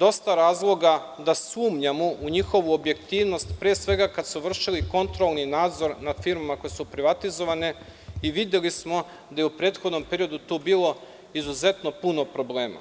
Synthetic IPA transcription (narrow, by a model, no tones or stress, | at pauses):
d̪o̞st̪aɾaːzlˠo̞ɡa | d̪asuːmɲamuʔuɲixo̞ʋuobje̞kt̪iːʋno̞st̪pɾeːsʋe̞ɡakad̪smuʋr̩ʃiliko̞nt̪ɾolˠninaːd̪zo̞ɾnad̪fiɾmamako̞jsupɾiʋat̪izo̞ʋane̞ | iʋid̪jelismo̞ | d̪ajeupɾe̞ːt̪xo̞d̪no̞mpe̞ɾijo̞d̪ut̪obiːlˠo̞ | izuze̞t̪nopuno̞pɾo̞ble̞ːma̰